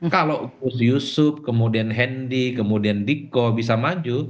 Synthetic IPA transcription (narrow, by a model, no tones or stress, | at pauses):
kalopʊsjusʊp̚kəmudianɦɛndikəmudiandikɔbis̬amad͡ʒu